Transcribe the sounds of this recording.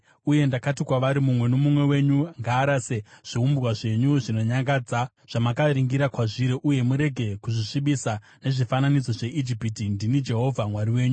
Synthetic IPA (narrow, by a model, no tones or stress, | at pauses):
uje̞ndakatikwaʋaɾimumwe̞no̞mumwe̞we̞ɲuŋɡaːɾaseʐ̥iumbrwaʐe̞ɲuʐino̞ɲaŋɡaːd͡za | ʐ̥amakaɾiŋɡiɾakwaʐiɾeʔuje̞muɾe̞ɡʱe̞kuʐiʂiɓisa | ne̞ʐifananid͡zo̞ʐe̞ʔid͡ʒipitindinid͡ʒe̞ɦo̞vʱamwaɾiwe̞ːɲu